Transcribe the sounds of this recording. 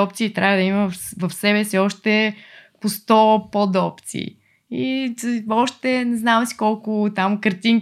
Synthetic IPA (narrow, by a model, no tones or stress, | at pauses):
ɔp̚t̪siːt̪ɾʔavəd̪ɐiməvɐfsɛbɛsiɔʃt̪ɛpost̪ɔpod̪ɔpt̪sḭː | i | ɔʃt̪ɛnɛznamɛsi̥kɔlˠkʊt̪amkəɾt̪iŋ